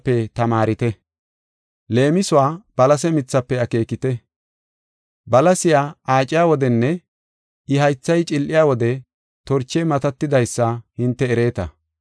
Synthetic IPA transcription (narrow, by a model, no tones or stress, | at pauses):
pːɛt̪ɐmaːɾɪt̪ɛ | le̞ːmɪsʊwaːb̥ɐlɐsɛmɪt͡sːɐpːɛɐke̞ːkɪt̪ɛ | bɐlɐsɪjaːaːt͡ʃʼɪjaːwɔd̪ɛnːɛ | ɪɦɐjt͡sːɐjt͡ʃʼɪlʔɪjaːwɔd̪ɛ | t̪ɔɾt͡ʃːɛmɐt̪ɐt̪ːɪd̪ɐjsːɐhɪnt̪ːɛːɾeːt̪ɐ̰